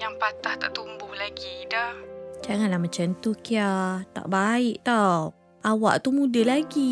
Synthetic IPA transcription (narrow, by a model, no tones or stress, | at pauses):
jaŋpat̪aht̪aʔt̪umbʊhlaɡidahd͡ʒaŋanlahmət͡ʃant̪ukiat̪a̰ʔbaɪʔt̪aw | ʔawaʔt̪umudəlaɡi